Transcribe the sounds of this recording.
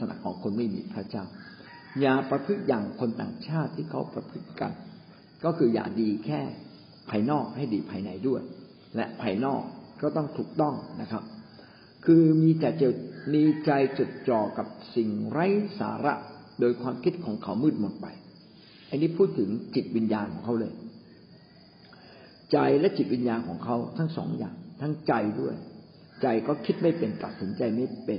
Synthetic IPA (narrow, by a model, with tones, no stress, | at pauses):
sʰa˧na̰˨˩kʰːɔː˩˦ŋkʰo˧nma˥˩jmḭː˧pʰɾa˦˥t͡ɕaː˥˩w | jaː˨˩pɾa˧pʰɯ˦˥t̪̚jaː˨˩ŋkʰo˧nt̪a̰ː˨˩ŋt͡ɕʰaː˥˩t̪ʰːiː˥˩kʰa˦˥wpɾa˧pʰɯ˦˥t̪̚ːa̰˧n | kɔː˥˩kʰɯː˧ja̰ː˨˩k̚diː˧kʰɛː˥˩ | pʰaː˧jnɔː˥˩k̚ha˥˩jdiː˧pʰaː˧jna˨˦jdu˥˩əj | lɛ̰˦˥ʔpʰaː˧jnɔː˥˩k̚kɔː˥˩t̪ɔ˥˩ŋt̪ʰuː˨˩k̚t̪ɔ˥˩ŋna˦˥kʰa˦˥p̚ | kʰɯː˧miː˧t͡ɕaː˨˩t͡ɕe˨˩miː˧t͡ɕa˧jt͡ɕo˨˩t̪̚t͡ɕɔː˨˩kːa˨˩p̚si˨˩ŋɾa˦˥jsa̰ː˩˨˦ɾa̰˦˥ʔ | doː˧jkʰwaː˧mkʰi˦˥t̪̚kʰɔː˩˦ŋkʰa˦˥wmɯː˥˩t̪̚mo˨˩t̪̚pa̰˧j | ʔa˧nːiː˦˥pʰuː˥˩t̪ʰːɯ˩˦ŋt͡ɕi˨˩t̪̚wi˧njaː˧nkʰɔː˩˦kʰa˥wlɤː˧j | t͡ɕa˧jlɛ˦˥ʔt͡ɕi˨˩t̪̚wi˧njaː˧nkʰɔː˩˦ŋkʰa˦˥wt̪ʰa˦˥ŋsɔ̰ː˩˦ŋja̰ː˨˩ŋt̪ʰa˦˥ŋt͡ɕa˧jdu˥˩əj | t͡ɕa˧jkɔː˥˩kʰi˦˥t̪̚ma˥˩jpe˧nt̪a˨˩t̪̚si˨˩˦nt͡ɕa˧jma˥˩jpe˧n